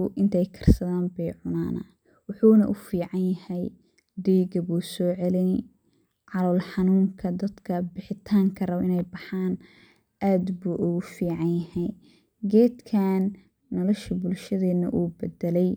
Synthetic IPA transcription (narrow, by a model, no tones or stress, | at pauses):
ʔɪnt̪ʰɛjkʰɐ̥rsɐðaːnbɛjʕʊnaːnɐ̰ | wɑħuːnɐʔʊfiːʕɑnjɐhɛj | d̪ɛjɡɐβuːsɔːʕɛlɛn | ʕɑlɔːlħɑnuːŋkʰɐd̪ɐd̪kʰɐbɪħɪt̪ʰaːŋkʰɐrɐwʔɪ̰nɛjbɑħaːn | ʔaːd̪buːʔʊɣʊfiːʕɑnjɐhɛj | ɡɛːd̪kʰaːnː | ɔlɔʃɐbʊlʃɐðɛːd̪nɐ̰ʔuːbɛd̪ɛlɛj